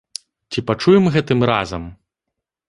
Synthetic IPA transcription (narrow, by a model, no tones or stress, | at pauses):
t͡sʲipat͡ʂujɛmɣɛt̪ɨmra̰zɐm